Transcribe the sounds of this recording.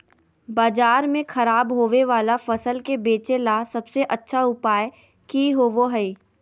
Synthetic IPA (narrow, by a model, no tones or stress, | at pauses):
baːd͡ʒaːɾmẽxɐɾaːbɦoːʋeʋaːlafɐsəlkebeːt͡ʃelasɐbseʔɐtːʃʰaʊpaːj | kiɦoʋoɦɛi